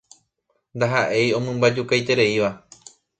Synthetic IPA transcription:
nd̪aɦaʔe̞jõ̞mɨ̃mbad͡ʒukajt̪e̞ɾe̞iʋa

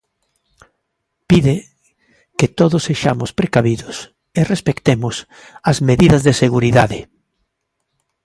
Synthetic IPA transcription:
piðe | ket̪oðʊsːeʃamʊspɾekaβiðʊs | erespekt̪emʊs | azmeðiðɐzðeseɣuɾiðaðɪ

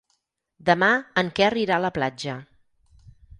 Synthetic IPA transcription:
d̪əmaəŋkɛəriɾaləplad͡ʒə

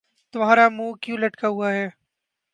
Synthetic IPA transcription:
t̪ʊʋãːɾaːmũːkjuːləʈkaːɦʊaːɦeː

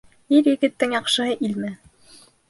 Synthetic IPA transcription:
iɾjɘ̆ɡɘ̆t̪ːɘŋjɑqʃɤ̆ɦɤʔilmɘ

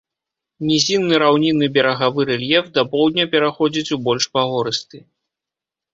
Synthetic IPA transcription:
nʲɛzʲinːɨɾawnʲinɨbʲɛɾɐɣavɨɾɛlʲjɛfd̪ɐpɔwd̪̚ʲnʲɐpʲɛɾaxɔd͡zʲit͡sʲubɔlʲʂpaɣɔɾɨst̪ɨ

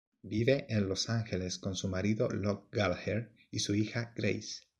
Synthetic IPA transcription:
biβe̞ʔenlo̞saŋxe̞le̞sko̞nsumaɾiðo̞̰lok̚ɡalxeɾ | isuixaɡ̥ɾḛjs

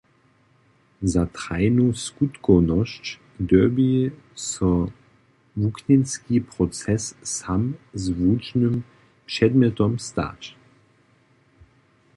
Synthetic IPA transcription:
zat̪ʁaɪnuskut̪kɔnɔʃt͡ʃ | dœbi | sɔ | vuknɛnskipʁɔt͡sɛssamzvuːt͡ʃnəm | pʂɛd̪mjɛt̪ɔmst̪a̰t͡ʃ

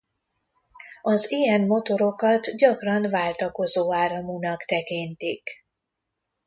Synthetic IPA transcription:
ɒzijɛnmo̞t̪o̞ɾo̞kɒt̪ɟɒkrɒnvaːlt̪ɒko̞zoːaːɾɒmunɒkt̪ɛkint̪ik

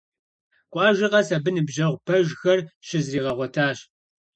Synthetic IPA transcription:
kʷʼɑːʒɪqɐsɐbɨnɨbʑɐʁʷpʰɐʒxɐrɕɪzriːʁɐʁʷɔtʰaːɕ

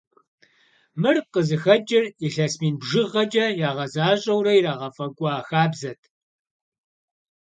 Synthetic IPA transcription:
mɨrqəzɨxɐd͡ʒʼɪriɬɐsmiːnbʒɪʁɐd͡ʒʼɐjaːʁɐzaːɕʼɐwrɐjɾaːʁɐfʼɐkʷʼːxaːbzɐtʰ

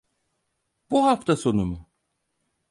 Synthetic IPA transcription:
b̥uɦaft̪ʰaso̞numu

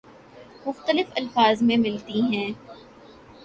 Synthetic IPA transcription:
mʊxt̪əlɪfɐlfaːzmẽmɪlt̪iɦɛ̃ː

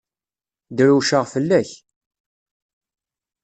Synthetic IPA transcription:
d̪ɾuʃəʁfəlːæç

